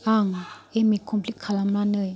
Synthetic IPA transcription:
aŋemikʰɔmpʰlit̚kʰːalamlanɯj

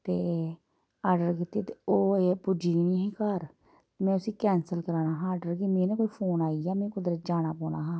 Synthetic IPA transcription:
t̪eː | aːɾɖəɾkit̪ːit̪eoːeːpʊd͡ʒiːnĩːɦiːkaɾ | t̪ːmɛ̃ːʊsĩːkɛːnsəlkəɾaːnaːɦãːɾɖəɾkimẽːnẽːkoːiːpʰoːnaːiaːmɛ̃ːkʊd̪ɾəd͡ʒaːɽ̃aːpɔːnaːɦãː

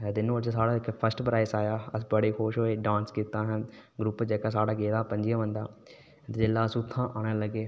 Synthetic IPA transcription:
d̪ɪnũːd͡ʒasaːɽaːɪkpʰəsʈpɾaːɪsaːjaːəsbəɽeːxoːʃɦoːeːɖãːnskiːt̪ãːɦənɡɾupd͡ʒeːkaːsaːɽaːɡeːɾaːpə̃ɲd͡ʒɪjãːʋə̃nd̪a̰ː | t̪ed͡ʒeːlːaːsʊt̪ʰːãːʔaːɽ̃aːləɡeː

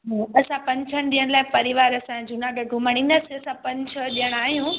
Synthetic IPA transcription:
ɦãɐsãpɐ̃ɲt͡ɕʰəɽ̃ɗijəɽ̃laːɪpɐɾiʋaːɾɐsãd͡ʑunaːɡɐɡʊmaɽ̃ĩnəsɪɐsãpɐ̃ɲt͡ɕʰəɗijəɽ̃aːɦijũ

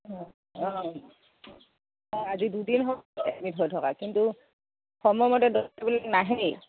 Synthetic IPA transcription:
ɔ̃ | ɔ̃ | ɔ̃azidudinɦɔɛ̰tmitɦojtʰɔkakintu | xɔmɔmɔtɛdɔtabilɛknaɦej

